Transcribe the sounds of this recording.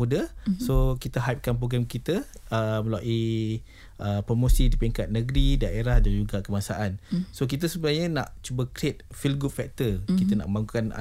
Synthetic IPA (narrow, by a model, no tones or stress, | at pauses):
udasokit̪əɦap̚kanpɾoɡɾɛmkit̪əəməlaʔi | ʔəpɾomosidipiŋkat̪̚nəɡɾidaʔeɾahdand͡ʒuɡakəmasaʔansok̬it̪̬əsəbənaɲəna̰ʔt͡ʃubakɾet̪̚filɡut̚fɛk̚t̪əkit̪əna̰ʔəmbaŋɡukana̰